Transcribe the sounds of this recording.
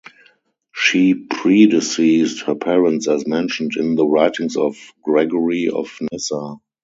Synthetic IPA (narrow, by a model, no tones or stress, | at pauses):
ʃiːpʰɹidɪsiːsthəpʰɛɹə̃ntsɛsmɛ̃nʃə̃ntɪ̃nðəɹaɪtɪ̃ŋsɔfɡ̥ɹɛɡɔɹiɔ̰fnɛsa